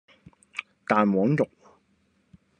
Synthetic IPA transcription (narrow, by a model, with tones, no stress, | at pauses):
t̪aː˨nwɔː˨˥ŋt̪ʊ˨k̚